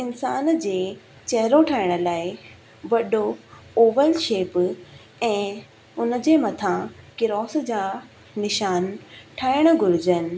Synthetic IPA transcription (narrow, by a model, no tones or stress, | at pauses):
ɪnsaːnd͡ʑeː | t͡ɕɐɦɪɾoʈʰaːɪɽ̃ə̆laːɪ | ʋɐɗooːʋəlʃeːp | ɛ̃ː | ʊnə̆d͡ʑeːmɐt̪ʰãkɪɾɔːsd͡ʑaː | nɪʃaːnʈʰaːɪɽ̃ʊɡʱʊɾɪd͡ʑənɪ̆